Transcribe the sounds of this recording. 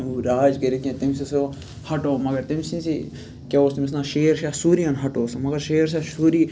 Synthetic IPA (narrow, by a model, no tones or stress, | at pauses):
ɾaːd͡ʒɡɐɾet̪ʲẽt̪imsiso | hɐʈoːmɐɡɐɾt̪imsĩsḭ | kʲeoːst̪imis̬naːʃeːɾʃaːsuːɾiɐnɦɐʈoːsɐmɐɡɐɾʃeːɾs̬aʃuːɾiː